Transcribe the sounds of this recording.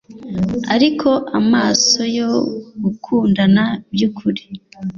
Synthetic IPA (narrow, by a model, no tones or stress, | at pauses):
aɾikʰo̞ʔamaːso̞jo̞ɡukʰuːndanabjukʰuɾe̥